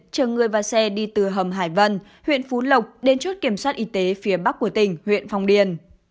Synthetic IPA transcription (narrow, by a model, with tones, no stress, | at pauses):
t͡ɕəː˨˩ŋɨ˨˩əjvaː˨˩sɛ˧ɗi˧t̪ɨ˨˩ɦə˨˩mɦaː˧˩jvə˧n | hwḭ˧˨ənfu˨˦lə˨˩wk͡p̚ɗe˨˧nt͡ɕo˦˥t̚ki˧˩əmswaː˦˥t̚ʔi˨˧˦t̪e˨˦fi˨˦əɓa˦˥k̚ːu˧˩ət̪ï˧˩ŋ̟hwḭ˧˨ənfa˧wŋ͡mɗi˨˧˩ən